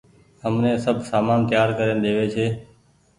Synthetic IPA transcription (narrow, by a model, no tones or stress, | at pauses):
həmnẽːsəbʱsaːmaːnt̪jaːɾkəɾẽːnd̪eːʋeːt͡ʃʰeː